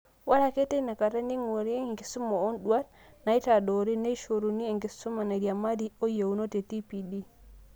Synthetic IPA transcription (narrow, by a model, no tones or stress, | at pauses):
walakɛtɛnakatandiŋoɾiŋɡesumaɔnɗuat | najtaɗɔɾinajʃoɾuniɛŋɡesumanaɾiamaɾiɔjewnotɛtipiɗi